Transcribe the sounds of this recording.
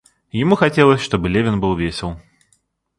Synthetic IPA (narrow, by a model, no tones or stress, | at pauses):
jɪmuxɐtʲelˠəsʲʂt̪obɨlʲevʲɪnbɨlˠvʲesʲɪlˠ